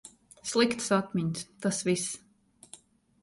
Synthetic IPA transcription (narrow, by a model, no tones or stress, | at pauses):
slˠikt̪sat̪mʲiɲst̪asvis